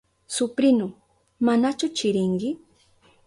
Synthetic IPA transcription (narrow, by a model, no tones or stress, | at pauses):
sʊpɾɪnʊ | manat͡ʃʊt͡ʃɪɾɪŋkɪ